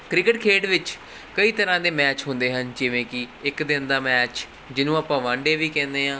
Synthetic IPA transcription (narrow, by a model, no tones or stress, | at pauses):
kɾɪkɪʈkʰeːɖʋɪt͡ʃ | kəiːt̪əɾãːd̪eːmɛːt͡ʃɦʊ̃nd̪eːɦənd͡ʒɪʋẽːkɪɪkd̪ɪnd̪aːmɛːt͡ʃ | d͡ʒɪnũːaːpãːʋãːɳɖeːʋiːkɛ̃ːnd̪eːɦãː